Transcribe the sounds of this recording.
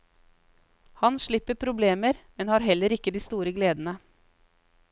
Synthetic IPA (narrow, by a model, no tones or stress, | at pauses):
hɑnʃɭɪpːəpʰɾʊbleːməɾmɛnhɑːɾɦɛlːəɾɪkːəd̪iːst̪uːɾəɡleːd̪n̩ə